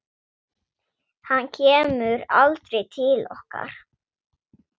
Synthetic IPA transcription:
hanːcʰɛːmʏɾalt̪ɾejt̪ʰɪlɔ̰hka̰ɾ̥

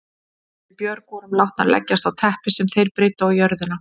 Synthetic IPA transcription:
ɪpjœɾkɔɾʏmlawht̪na̰ɾlɛ̰cːast̪awt̪ʰɛhpɪsɛmθejɾpɾeːjt̪ʏawjœɾðɪna

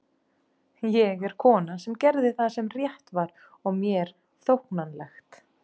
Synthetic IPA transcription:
jɛɣɛɾ̥kʰɔːnasɛmcɛɾðɪθaðsɛmrjɛht̪vaɾ | ɔɣmjɛɾ̥ | θowhknanlɛxt̪

